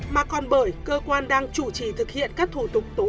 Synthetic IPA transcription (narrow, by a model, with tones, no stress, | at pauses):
maː˨˩kɔ˨˩nɓəː˧˩jkəː˧kwaː˧nɗaː˧ŋt͡ɕu˧˩t͡ɕi˨˩t̪ʰɨ˨˩k̚hḭ˧˨ənkaː˦˥k̚t̪ʰu˧˩t̪ʊ˨˩k͡p̚t̪o˨˦